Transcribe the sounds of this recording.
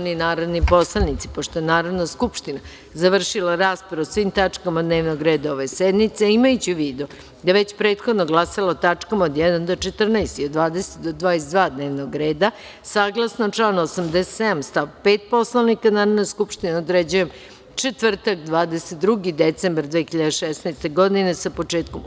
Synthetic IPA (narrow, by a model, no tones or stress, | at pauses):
ninaːɾod̪nipo̞slˠanit̪si̥poʃt̪oenaːɾoʋdnaskupʃt̪ina | zaʋr̩ʃilaɾaːspɾaaosʋimt̪at͡ʂkamad̪neːʋnoɡɾe̞ːd̪aoʋe̞sed̪nit̪seimajut͡ɕuʋiːd̪u | d̪aʋet͡ɕpɾe̞ːt̪xo̞d̪noɡlasalaot̪at͡ʃkamaod̪jɛd̪and̪ot͡ʃet̪r̩naest̪iod̪ʋaːd̪eset̪d̪od̪ʋaːesed̪ʋaːd̪ne̞ːʋnoɡɾe̞ːd̪a | saːɡlˠasnot͡ʃlaːnosamd̪ese̥t̪sed̪amst̪aʋpeːt̪̚po̞slanikanaːɾad̪naskupʃt̪ineod̪ɾed͡ʑujem | t͡ʃet̪ʋr̩t̪akd̪ʋaːd̪eset̪̚d̪ɾuɡid̪et̪sembaɾd̪ʋexiʎad̪eʃesnajst̪e̞ɡo̞d̪inesapo̞t͡ʃeːt̪̚kom